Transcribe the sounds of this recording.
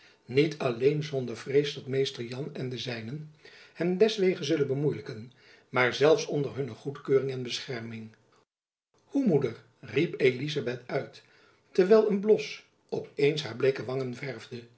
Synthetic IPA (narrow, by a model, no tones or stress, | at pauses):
nitʰɑlejnzɔndəɹv̥rejsdɔtmejstəɹjɑnɛndəzɛjnənhɛmdɛsʋejχənzɵlənbəmujləkən | maːɹzɛlˠfsɔndəɹɦɵnəχutkøːrɪŋɛnbəsχɛɹmɪŋ | humudəɹ | ripejlizabɛtœɥt | təɹʋɛlˠənblɔs | ɔpejnsɦaːɹblejkəʋɑŋənvɛɹvdə